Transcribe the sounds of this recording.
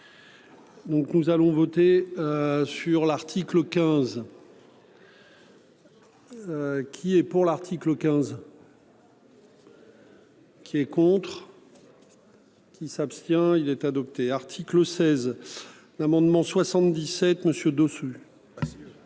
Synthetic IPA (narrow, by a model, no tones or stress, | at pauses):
d̪ɔ̃knuzalɔ̃vɔt̪eøsyʁlaʁt̪ʰikləkʲɛ̃z | kʲʰiɛpuʁlaʁt̪ʰikləkʲɛ̃z | kʲʰiɛkɔ̃t̪χ | kʲisapst̪jɛ̃ilɛt̪ad̪ɔp̚t̪eaʁt̪ʰikləsɛz | lamɑ̃d̪mɑ̃swasɑ̃t̪d̪isɛt̪məsjød̪osy